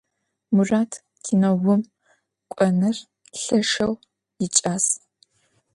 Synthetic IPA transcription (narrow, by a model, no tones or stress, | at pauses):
mʊraːtʰ | tʰiːnɐwʊm | kʷʼɔnɨr | ɬɐʂɐw | jɪt͡ʃʼaːs